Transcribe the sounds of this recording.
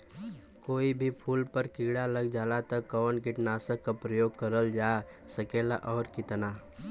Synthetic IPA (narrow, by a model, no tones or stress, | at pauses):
koːibʱipʰuːlpəɾkɪɡɽaləɡd͡ʒaːlat̪əkːɔːnkɪʈnaːsəkːapɾəjoːɡ̚kəɾəld͡ʒaː | səkeːla̰ʔɔːɾkɪt̪na